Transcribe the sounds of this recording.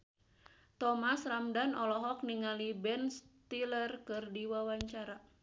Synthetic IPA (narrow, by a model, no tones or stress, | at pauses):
t̪ɔmasramdanɔlɔɦɔk̚niŋalibɛnst̪ilərkɨrdiwawaɲt͡ʃaɾa